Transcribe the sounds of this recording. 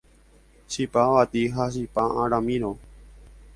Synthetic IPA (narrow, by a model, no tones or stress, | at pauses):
ʃipaʋat̪iɦaʃ̬ipaãɾãmĩɾõ